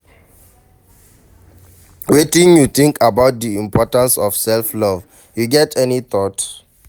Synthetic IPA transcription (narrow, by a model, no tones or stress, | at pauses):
wetĩnjuθĩŋkʰabaʊt̚diĩmpʰɔtãnsɔv̥sɛlflɔv | juɡɛtʰɛniθɔt